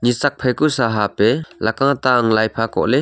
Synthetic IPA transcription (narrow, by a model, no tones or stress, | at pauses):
ɲit͡sɐk̚pʰɐjkusaɦapɛlɐkaŋat̪aʔaŋlajpʰakɔ̰ʔlɛ